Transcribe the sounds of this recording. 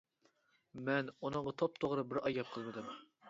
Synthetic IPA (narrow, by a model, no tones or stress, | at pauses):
mɛnunɨɴʁɑt̪ʰop̚t̪ʰoʁɾɨbɪɾɑjːɑp̚qʰəlˠmɨd̪ɨm